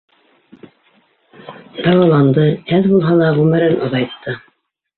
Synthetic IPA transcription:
d̪ɑwɑlˠɑnd̪ɤæðbulˠɦɑlˠɑʁʉmɘ̆ɾɘnʔoðɑjt̪ʰːɤ

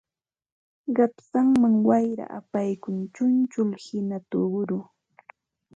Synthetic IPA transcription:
ɢɑpsaŋmaŋwajɾa̰ʔapajkʊnt͡ʃʊnt͡ʃʊlhɪnat̪ʊɢʊɾʊ

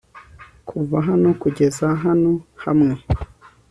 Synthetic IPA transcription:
kʰuvaɦano̞kuɟe̞zaɦano̞hamŋe̞

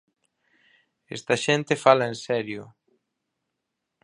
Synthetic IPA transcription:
ḛst̪aʃent̪efalaensɛɾjʊ

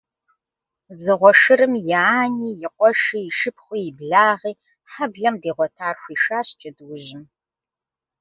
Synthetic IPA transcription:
zɨʁʷɔʃɨɾɨmjɛaːniːjɪqʷʼɔʂiːjɪʃɨp̚χʷiːjɪbɮaːʁiː | ħabɮɐmdeːʁʷɔtʰaːrxʷiːʃaːɕt͡ʃʰɐdwʊʑɪm

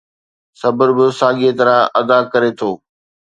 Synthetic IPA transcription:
sɐbəɾbɪsaːɠiet̪ɐɾãɐd̪akɐɾet̪ʰoː

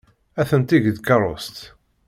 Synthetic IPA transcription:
æθənt̪iʝd̪kɑrˤost̪

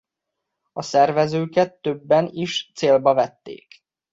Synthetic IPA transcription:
ɒsɛrvɛzøːkɛt̪ːøbːɛniʃt̪seːlbɒvɛt̪ːḛːk

